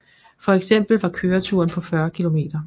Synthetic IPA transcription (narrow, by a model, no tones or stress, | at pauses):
fɒ̽eɡ̥sem̰b̥l̩ʋɑ̈kʰøːɐt͡sʰuɐnpʰɒ̽fɶɐkʰilo̝me̝̰ːd̥ɐ